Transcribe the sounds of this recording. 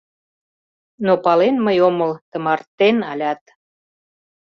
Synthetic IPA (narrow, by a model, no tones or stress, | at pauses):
nopɑlenməjoməlt̪ə̆mɑrt̪ːenɑlʲɑt̪